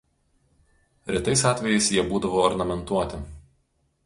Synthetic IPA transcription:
ɾʲɪt̪ɐɪsɑːt̪ʲʋʲɛjɛɪsjiɛbuːd̪ɐʋoːɔɾnɐmʲɛnt̪uɔt̪ʲɪ

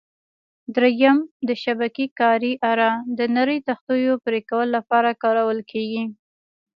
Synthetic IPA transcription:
d̪ɾejamd̪əʃabakikɑɾiʔaɾɑd̪ənaɾəjt̪axt̪ujopɾekawəloːapɑɾakɑɾawəlkʰeɡi

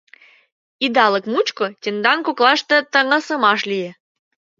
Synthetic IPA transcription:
id̪ɑlə̆kmut͡ɕkŏtʲend̪ɑnkoklˠɑʃt̪ə̆t̪əŋɑsə̆mɑʃlʲijĕ

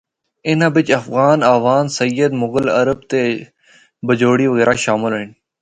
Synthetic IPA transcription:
ɪnabɪt͡ɕɐfɣaːnaːʋaːnsɐjəd̪mʊɡəlɐ̰ɾəbt̪e | bəd͡ʑoːɽiːʋəɣeːɾaːʃaːmɪlɦən

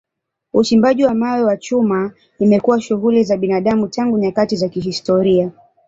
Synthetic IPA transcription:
ut͡ʃimbaʄiwamawɛwat͡ʃuma | imɛkuwaʃuɣulizaɓinaɗamutaŋɡuɲakatizakiɦistɔɾia

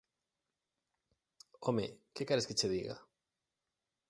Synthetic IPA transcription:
omekekaɾesket͡ʃeðiɣa̰

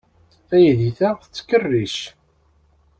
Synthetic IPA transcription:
æjðiθæθət͡sːə̥kərːiʃ

